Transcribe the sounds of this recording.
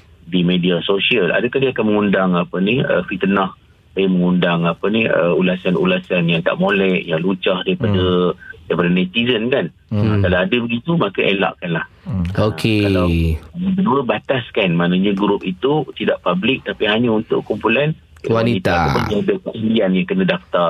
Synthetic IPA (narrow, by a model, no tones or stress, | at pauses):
dimediasosiəla̰dakadiakanməŋundaŋapənihə̰fit̪ənah | sajaməŋundaŋapəniə̰ulasanṵlasanjaŋt̪a̰ʔmolɛʔjaŋlut͡ʃahdaɾipadədaɾipadənɛt̪izənkan | akalawadəbəɡit̪umakaʔela̰ʔkanlah | okʰekalawməkəduəbat̪askanmanaɲaɡɾʊp̚it̪ut̪idaʔpablɪk̚t̪apiɦaɲaunt̪ʊʔkumpulan | waniit̪aəd͡ʒiadakəmuianjaŋkənə̃daft̪a